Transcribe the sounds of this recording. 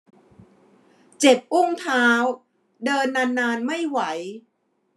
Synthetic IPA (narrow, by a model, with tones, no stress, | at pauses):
t͡ɕe˨˩p̚ʔu˥˩ŋt̪ʰaː˦˥w | dɤː˧nːa˧nːaː˧nma˥˩jwa˩˦j